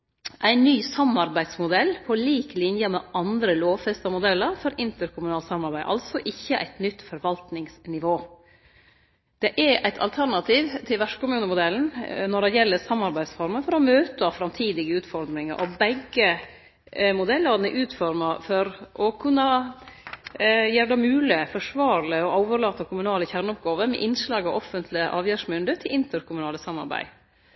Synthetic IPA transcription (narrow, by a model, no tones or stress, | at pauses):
ʔæɪnːyːsɑmɑɾbæɪd̪smʊd̪ɛlːpʰɔliːklɪnjəmɛʔɑnd̪ɾəloːʋfɛst̪ɑmʊd̪ɛlːəɾfɔɾɪnt̪əɾkʰʊmʉnɑːlsɑmːɑɾbæɪʔɑ̰lsɔʔɪçːəʔæ̰ɪt̪nʏt̪ːfɔɾʋɑlt̪nɪŋsnɪʋoː | d̪̥ɛʔæʔæɪt̪ʰɑ̰lt̪ʰæɾnɑt̪ʰiːʋt̪ʰɪlʋæʂkʊmʉːnəmʊd̪ɛln̩nɔɖɛjɛlːəɾsɑmːɑɾbæɪd̪sfɔɾmənfɔɾɔmøːt̪əɑfɾɑmt̪ʰiːd̪ɪɡəʉːt̪fɔɾd̪ɾɪŋə̰ɾʔɔ̰bɛɡə | mʊd̪ɛlːəɾnɛʔʉːt̪fɔɾmɑfɔɾʔɔkʰʉnːɑ | jeːɾəɖ̪ɛmʉːlɪfɔʂʋɑːɾɭəɔʔoːʋəɾlɑːt̪ːəkʰʊmʉnɑːləçæɾɳɔp̚ɡɑːʋəmɛ̰ʔɪnʂlɑːɡɑʋɔfənt̪ʰlɪəʔɑːʋjæːʂmʏnd̪ət̪ʰɪlʔɪnt̪əɾkʰʊmʉnɑːləsɑmːɑ̰ɾbæ̰ɪ